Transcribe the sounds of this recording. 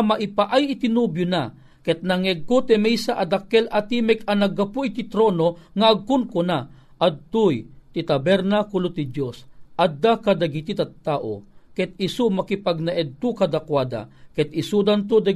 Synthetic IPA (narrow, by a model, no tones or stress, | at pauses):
maʔipaʔajit̪inubjʊna | kɛt̪̚nɐŋɛɡ̚kot̪ɛmɛjsaʔad̪akːɛlʔat̪imɛkɐnɐɡɐpuʔit̪it̪ɾoːnoŋaʔːɡ̚kʊnkʊna | ʔad̪̚t̪ujt̪it̪abɛɾnakʊlot̪id̪josʔad̪ːakad̪aɡit̪it̪ɐt̪ːaːʔo̰kɛt̪̚isumakipaɡ̚naʔɛd̪̚t̪ʊkad̪akwaːd̪a̰kɛt̪̚isud̪ant̪̬od̪a